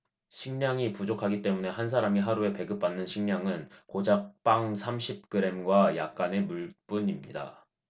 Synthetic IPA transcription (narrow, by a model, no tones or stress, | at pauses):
ɕʰiŋɲaŋipud͡ʑokʰaɡit͈e̞mune̞hans̬ʰaɾamiɦaɾue̞pe̞ɡɯp̚p͈anːɯnɕʰiŋɲaŋɯnkod͡ʑak̚p͈aŋsʰamɕʰip̚k͈ɯɾe̞mɡwaja̰k̚k͈ane̞muɭp͈uɲimɲḭda̰